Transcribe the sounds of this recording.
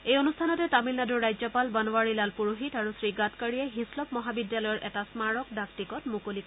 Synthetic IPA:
ejonustʰanɔtɛtamilnaduɹːajzɔpalbanɔwaɹilalpuɹoɦitaɹusɹiɡatkaɹiɛɦislɔp̚mɔɦabidjalɔjɔɹʔɛtasmaɹɔkdaktikɔtmukolik

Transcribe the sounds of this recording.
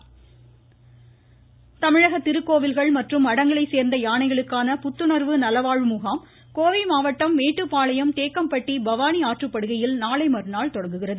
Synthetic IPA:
t̪ɐmɪɻɐɣɐt̪ːɪɾɯkːoːʋɪlɣɐɭmɐʈrɯmɐɽɐŋɡɐɭɐɪseːɾnd̪ɐjaːɳɐɪɣɐɭɯkːaːnɐpʊt̪ːɯnɐɾʋɯnɐlɐʋaːɻmʊɣaːm | koːʋimaːʋɐʈːɐmːeːʈːɯpːaːɭɐjɐmt̪eːkːɐmpɐʈːibɐʋaːniaːʈrɯpːɐɽɯɣɐjɪlnaːlɐɪmɐɾnaːɭt̪ɔɽɐŋɡɯɣɪrɐðɯ

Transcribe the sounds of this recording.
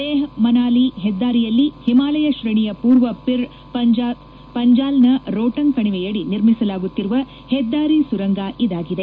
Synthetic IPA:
d̪eːɦmɐnaːliɦɛd̪ːaːɾijɐlːihimaːlɐjɐʃɾɐɳijɐpuːɾʋɐpiɾ | ɐd͡ʒa | pɐɲd͡ʒaːlnɐɾoːʈɐnkɐɳiʋɛjɐɽiniɾmisɐlaːɡut̪ːiɾuʋɐ | hɛd̪ːaːɾisuɾɐŋɡaːʔid̪aːɡid̪e

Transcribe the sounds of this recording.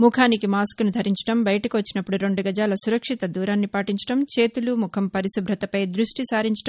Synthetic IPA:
mukʰaːnikimaːskunud̪ʱɐɾiɲt͡ʃɐ̥ʈɐmbɐjɐʈɐkiʋɐt͡ʃːinɐpːuɽuɾe̞ɳɖuɡɐd͡ʒaːlɐsuɾɐkʂit̪ɐd̪uːɾaːnːipaːʈiɲt͡ʃɐ̥ʈɐmt͡ʃe̞ːt̪ulumukʰɐmpɐɾisubʱɾɐt̪ɐpɐjd̪ɾuʂʈisaːɾiɲt͡ʃɐ̥ʈɐ

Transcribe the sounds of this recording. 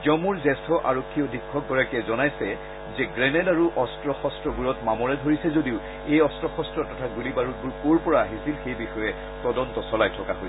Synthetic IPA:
zɔmuɹzɛstʰɔʔa̰ɹokʰːiodʱikʰːɔk̚ɡɔɹakɛzɔnajsɛ | zɛɡɹɛnɛlaɹuʔɔstɹɔxɔstɹɔbuɹɔtmamɔɹɛdʱoɹisɛzodiʊ | ejɔstɹɔxɔstɹɔtɔtʰaɡulibaɹut̚buɹkoɹpɔɹaːɦisilxejbixɔjɛ | tɔdɔntɔsɔlajtʰɔkaɦojsɛ

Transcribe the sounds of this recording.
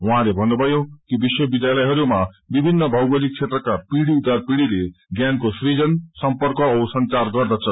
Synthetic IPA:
ũɦãlebʱʌnːubʱʌjokibiswʌbid̪jalʌjɦʌɾumabibʱinːʌbʱʌwbʌlik̚t͡sʰet̪rʌkapiɽiud̪arpiɽileɡjankosrid͡zʌnsʌmpʌrkʌsʌnt͡sarɡʌrd̪ʌt͡sʰʌ

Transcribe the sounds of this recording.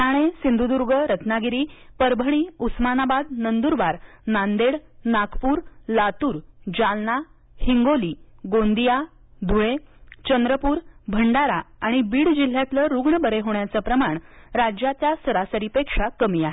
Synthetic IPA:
aɽ̃esind̪ʱud̪uɾɡəɾət̪naɡiɾiːpəɾbʱəɽ̃iːusmanabad̪̚nənd̪uɾbaɾ | nand̪eɽnakʰpuːɾlat̪uːɾd͡ʑalna | hiŋɡoliːɡond̪ija | d̪ʱuɭet͡ɕənd̪ɾəpuːɾbʱəɳɖaɾaaɽ̃ibiːɽd͡ʑil̤jat̪ləɾuɡɳəbəɾeɦoɳjat͡səpɾəmaɳɾad͡ʑjat̪jasəɾasəɾipekʂakəmiːaɦe

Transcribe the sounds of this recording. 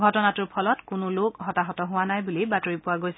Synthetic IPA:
ɡʱɔtɔnatuɹpʰɔlɔtkʊnʊlokɦɔtaɦɔtɔɦʊwanajbulibatoɹipʊwaɡojsɛ

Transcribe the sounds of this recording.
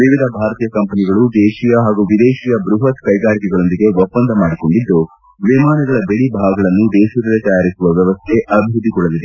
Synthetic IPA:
ʋiʋid̪ʱɐbʱaːɾɐt̪iːjɐkɐmpɐniɡɐɭud̪eːʃijɐɦaːɡuʋid̪eːʃijɐbɾuɦɐt̪kɐjɡaːɾikɛɡɐɭo̞nd̪iɡe̞ʋɔpːɐnd̪ʱɐmaːɽiko̞ɳɖid̪ːu | ʋimaːnɐɡɐɭɐbeɭibʱaːɡɐɡɐɭɐnːud̪ɛːʃɐɾɐlet̪ɐjaːɾisuʋɐʋjɐʋɐst̪ʰe̞ʔɐbʱiɾud̪ːikɔɭɐlid̪e

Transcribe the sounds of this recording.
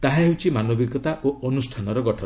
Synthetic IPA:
t̪aɦaɦewt͡ʃʰimanobiɡɔt̪aʔoɔnusʈʰanɔɾɔɡɔʈʰɔ

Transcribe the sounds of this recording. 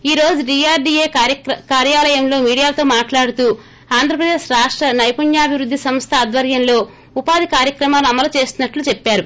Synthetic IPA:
iːɾo̞ːd͡ʒuɖiːaːɾɖiːeːkːkkaːɾjaːlɐjɐmlo̞ːmiːɽijaːt̪o̞ːmaːʈlaːɽut̪uː | aːnd̪ʱɾɐpɾɐd̪e̞ːʃɾaːʂʈɾɐnɐjpuɲjaːɐbʱiʋɾud̪ʱːisɐmst̪ʰɐːd̪ʋɐɾjɐmlo̞ː | upaːd̪ʱikaːɾjɐkɾɐmaːlɐmːɐlɐt͡ʃe̞ːst̪unːɐʈlut͡ʃepːaːɾu

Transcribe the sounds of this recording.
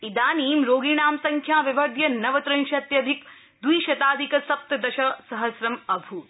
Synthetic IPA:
id̪aːniːmɾoːɡiːɳaːmsɐŋkʰjaːʋiʋɐɾd̪ʱjɐnɐʋɐt̪ɾɐ̃nʃɐt̪jɐd̪ʱik | d̪wiːʃɐt̪aːd̪ʱikɐsɐp̚t̪ɐd̪ɐʃɐsɐɦɐsɾɐmɐbʱuːt̪

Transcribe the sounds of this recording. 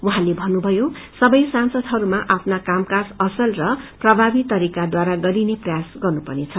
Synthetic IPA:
uɦãlebʱʌnːubʱʌjosʌbʌjsansʌd̪ʱɦʌɾumaʔapʰnakamkad͡zʌsʌlrʌprʌbʱabit̪ʌɾikad̪waɾaɡʌɾineprʌjasɡʌrnupʌrnet͡sʰʌ

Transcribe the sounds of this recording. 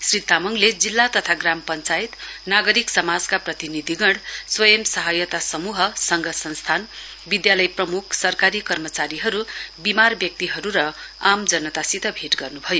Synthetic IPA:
srit̪amʌŋled͡zilːat̪ʌt̪ʰaɡrampʌnt͡sait̪naɡʌɾiksʌmad͡zkaprʌt̪inid̪ʱiɡʌɽswʌjʌmsʌɦʌjʌt̪asʌmuɦʌsʌŋɡʌsʌnst̪ʰan | bid̪jalʌjprʌmukʰsʌrkaɾikʌrmʌt͡saɾiɦʌɾubimarbjʌk̚t̪iɦʌɾuɾʌamd͡zʌnːʌt̪asit̪ʌbʱeʈɡʌrnubʱʌjo

